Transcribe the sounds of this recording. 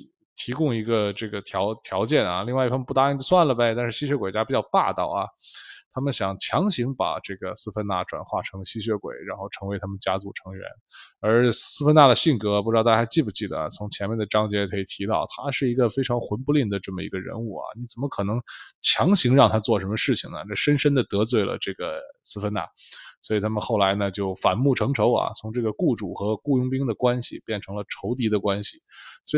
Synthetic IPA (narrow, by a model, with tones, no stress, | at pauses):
t̪ʰi˧˥kʊ˥˧ŋi˧˥ɡə˧ʈ͡ʂɤ˥˩ɡə˩t̪ʰjɑ˧˥ʊt̪ʰjɑ˧˥ʊt͡ɕjɛ˥˩nɐ̰˩li˥˧ŋwa˥˧ɪi˥˩fə˥pu˥˩t̪a˥i˧˩t͡ɕswa˥˩nlə˩pe˧˩ɪt̪a˥˧nʂɻ̩˥˧ɕi˥ɕɥɛ˧˥kwe˨˩ɪt͡ɕja˥pi˨˩t͡ɕjɑ˥˧ʊpa̰˥˧t̪ɑ̰˥˩ʊɐ˩t̪ʰa˥mə˨nɕjɑ˨˩ŋt͡ɕʰjɑ˧˥ŋɕi˧˥ŋpa̰˨˩ʈ͡ʂɤ˥˩ɡə˩sɹ̩˥fʰə˥nna̰˥˩ʈ͡ʂwa̰˨˩nxwa̰˥˩ʈ͡ʂʰɤ˧˥ŋɕi˥ɕɥɛ˧˥kwḛ˨˩˦ɪɻa˧˥nxo˥˩ʊʈ͡ʂʰɤ˧˥ŋwe˧˥ɪt̪ʰa˥mə˨nt͡ɕja˥t͡su˥˩ʈ͡ʂʰɤ˧˥ŋɥɛ̰˧˥nə˞˧˥sɹ̩˥fə˥na˥˩d̪ə˩ɕi˥˩ŋkɤ˧˥˧pu˥˩˧t̪ːʰt͡ɕi˥˩p̬u˧t͡ɕi˥˩d̪ə̰˩t͡sʰʊ˧˥ŋt͡ɕʰjɛ˧˥nmɛ˥˩nd̪ə˩ʈ͡ʂɑ˥ŋt͡ɕjɛ˧˥kʰɤ˧˥i˨˩t̪ʰi˧˥t̪ɑ̰˥˩ʊt̪ʰa˥ʂɻ̩˥˩i˧˥ɡə˧fe˥ɪʈ͡ʂʰɑ˧˥ŋxwə˧˥npu˧li˥˩ŋd̪ə˩ʈ͡ʂɤ˥˩mə˩ḭ˧˥ɡə˧ɻə̰˧˥nu˥˩ɐ̰˩ni˧˥t͡sə˨˩nmə˦kʰɤ˨˩nɤ˧˥ŋt͡ɕʰjɑ˧˥ŋɕi˧˥ŋɻɑ˥˩ŋt̪ʰa˥t͡swɔ˥˩ʂə˧˥mə˧ʂɻ̩˥˩t͡ɕʰi˨˩ŋnə̰˩nə˥˩ʂə˥nʂə˥nd̪ə˨t̪ɤ˧˥t͡swe˥˩ɪlə̰˩ʈ͡ʂɤ˥˩ɡə˩sɹ̩˥fə˥na̰˥˩ | swɔ˧˥i˨˩t̪ʰa˥mə˨nxo˥˩ʊla˧˥ɪnə˧t͡ɕjo˥˩ʊfa˨˩nmu˥˩ʈ͡ʂʰɤ˧˥ŋʈ͡ʂʰo˧˥ʊɐ̰˨˩t͡sʰʊ˧˥ŋʈ͡ʂɤ˥˩ɡə˩ku˥˩ʈ͡ʂu˨˩xɤ˧˥ku˥˧jʊ˥ŋpi˥ŋd̪ə˨kwa˥nɕḭ˨pjɛ˥˩nʈ͡ʂʰɤ˧˥ŋlə˧ʈ͡ʂʰo˧˥ʊt̪̬i˧˥d̪ə˧kwa˥nɕi˨˩swɔ˧˥